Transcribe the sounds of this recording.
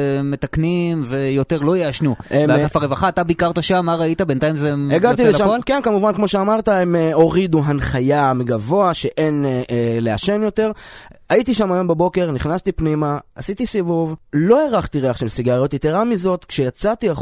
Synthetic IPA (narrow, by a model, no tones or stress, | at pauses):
met̪aknimvejo̞te̞ʁlo̞jeaʃnueaafaʁevaχaːtabikaʁt̪aʃamːaʁait̪abent̪aimzeeɡat̪ileʃamolkenkamuvankmo̞ʃeamaʁt̪aemeo̞ʁiduɦanχajameɡavo̞aʃe̞ʔe̞nele̞aʃe̞njo̞t̪e̞ʁaitiʃamajo̞mbebo̞ke̞ʁniχnast̪ipnimaasit̪isivuvlo̞eʁaχt̪iʁeaχʃemsiɡaʁjot̪jit̪eʁamizo̞t̪kʃejat͡sat̪ia